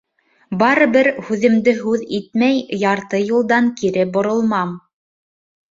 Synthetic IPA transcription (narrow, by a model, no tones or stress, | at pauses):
bɑɾɤ̆βɘɾhʉðɘ̆md̪ɘɦʉðit̪̚mæjjɑɾt̪ɤjulˠd̪ɑŋkiɾɘbŏɾŏlˠmɑm